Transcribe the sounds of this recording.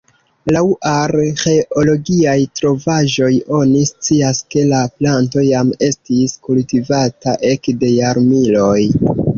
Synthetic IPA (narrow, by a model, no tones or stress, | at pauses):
lawʔaɾxe̞ʔolo̞ɡiajtɾo̞vaʒo̞jo̞nist͡siaske̞laplanto̞jame̞stiskultivataʔe̞kde̞jaɾmilo̞j